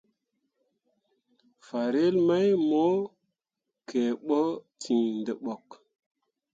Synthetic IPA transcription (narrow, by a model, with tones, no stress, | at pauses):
fa˨ɾe˦lma˦jmo˦ | kʰe˨ɓo˦tʰĩ˨ndə˨ɓo˨k